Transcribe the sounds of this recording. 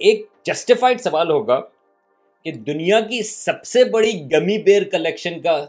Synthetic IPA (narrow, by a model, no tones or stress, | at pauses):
eːk̚d͡ʒɐsʈɪfaːɪɖsɐʋaːlɦoːɡa | ked̪ʊnijak̬isɐbsebɐɽiɡɐmipeːɾkɐleːkʃənka